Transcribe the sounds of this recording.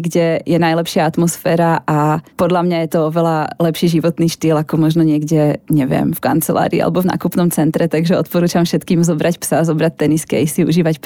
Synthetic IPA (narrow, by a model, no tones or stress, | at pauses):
ɡɟɛjɛnajlɛpʃɪaat̪mɔsfɛːɾaʔapɔd̪lamɲajɛt̪ɔɔʋɛlalɛpʃiːʒiʋɔt̪niːʃt̪iːlakɔmɔʒnɔɲɪɛɡɟɛɲɛvɪɛ̰mfka̰nt͡sɛla̰ːɾḭia̰lʔɛbɔvna̰ːkupnɔmt͡sɛnt̪ɾɛt̪aɡʒɛɔt̪pɔɾuːt͡ʃamfʃɛt̪kiːmzɔbɾacpsazɔbɾat̚t̪ːɛniskɛ̰isiṵʒiːʋacp